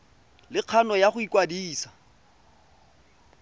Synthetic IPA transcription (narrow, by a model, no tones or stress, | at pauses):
lɪq͡χʰanɔjaχʊikʼwadiːsḁ